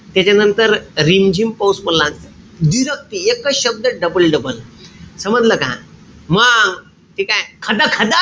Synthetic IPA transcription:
t̪jat͡ɕanənt̪əɾɾimd͡ʑʱimpawsməllãn | d̪iɾək̚t̪iekəɕəb̚d̪əɖəbəlɖəbəlsəməd͡zləkã̰ | məŋ | t̪ikajkʰəd̪akʰəd̪a

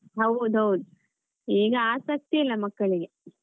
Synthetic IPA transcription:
ɦɐwud̪ɐwd̪̚ | iːɡɐaːsɐk̚t̪iilːɐmɐkːɐɭiɡe

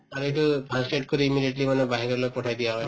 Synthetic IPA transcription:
aɹuetubʰʱasʈeʈ̚koɹiimidieʈlimanɛbaɦiɾɔɹlopɔtʰajdijaɦɔj

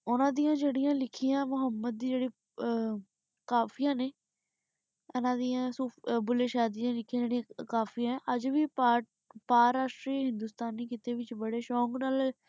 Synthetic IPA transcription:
ʊnãːd̪ijãːd͡ʒeːɽijãːlɪkʰːiːãːmʊɦəmːəd̪̚ːiːd͡ʒeːɽiː | kaːpʰijãːneː | ɪnãːd̪iːjãːsuːbʊleːʃaːd̪iːãːlɪkʰːiãːd͡ʒeːɽiãːkaːpʰiãɛ̃ʔəd͡ʒʋiː | paːɾaːsʈɾiːɦɪ̃nd̪uːst̪aːnːiːkɪt̪eːʋɪt͡ʃbəɽeːʃɔːŋɡnaːl

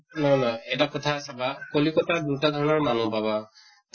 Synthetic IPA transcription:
nɔjnɔjɛtakɔtʰasabakolikɔtadutad̪ʱɔɹɔnɔɹmanupaba | t

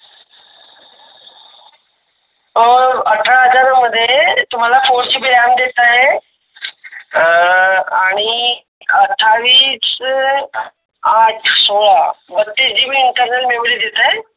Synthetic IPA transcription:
oɐʈʰaɦəd͡ʑaːɾmɐd̪ʱet̪ʊm̤ãlafʰoːɾd͡ʑibiɾaːnd̪eːt̪aɦe | aːɽ̃i | ɐʈʰːaːʋiːs | aːʈʰsoːlabɐt̪ːesd͡ʑiːbiɪɳʈəɾnəlmemlid̪et̪aɦe

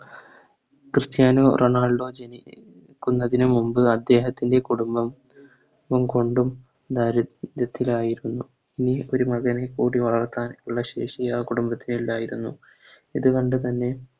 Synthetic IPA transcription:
krɨst̪jaːnoːrʔo̞naːɖo̞ːd͡ʑeni | kːunːɐðinɨmumbɨɐd̪ːe̞ːɦɐt̪ːinde̞kuɽumbɐm | umko̞ɳɖum | d̪aːɾɐɐt̪ːilaːjiɾunːu | inio̞ɾumɐɣɐnekːuːɽiʋɐɭɐrt̪ːaːnuɭːɐɕe̞ːʂijaːkuɽumbɐt̪ːinilaːjiɾunːu | iðukɐɳɖɨt̪ɐnːe̞

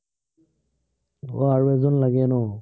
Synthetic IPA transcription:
ɔ̰aɹuɛzɔnlaɡɛnɔ

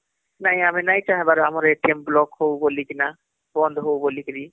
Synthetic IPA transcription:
naɦĩaminajt͡ʃaɦẽbaɾamɔɾeʈimblɔkɦowbolikina | bɔnd̪ʱɔɦowbolikiɾi

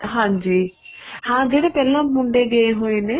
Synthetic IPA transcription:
ɦãːd͡ʒiː | hãːd͡ʒeːɽepɛːlãːmʊ̃ɳɖeɡeeɦoːineː

